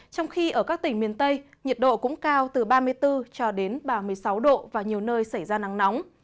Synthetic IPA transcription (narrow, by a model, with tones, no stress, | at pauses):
t͡ɕɔ˧wŋ͡mxi˧ʔəː˧˩kaː˦˥k̚t̪ï˧˩ŋ̟mi˨˩ənt̪ə˧j | ɲi˨˩t̚ɗo̰˧˨kʊ̰˧˥ŋ͡mkaː˧wt̪ɨ˨˩ɓaː˧mɨ˧əjt̪ɨ˧t͡ɕɔ˧ɗe˨˦nɓaː˨˩mɨ˨˩əjsa˨˦wɗo̰˧˨vaː˨˩ɲi˨˩əwnəː˧jsa˧˩jzaː˧na˨˦ŋnɔ˨˦wŋ͡m